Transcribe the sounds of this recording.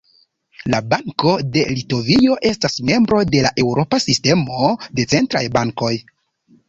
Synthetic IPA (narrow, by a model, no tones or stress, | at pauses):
labaŋko̞de̞lito̞vio̞ʔe̞stasme̞mbɾo̞de̞laʔe̞wɾo̞pasiste̞mo̞de̞t͡se̞ntɾa̰jbaŋko̞j